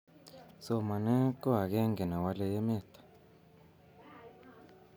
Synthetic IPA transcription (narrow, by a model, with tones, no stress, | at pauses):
so˨ma˨nɛ˦kɔ˦ɦa˨kɛ˦ŋɡɛ˨na˨wa˦le˦jɛ˦mɛ˦˨t̪ʰḁ˨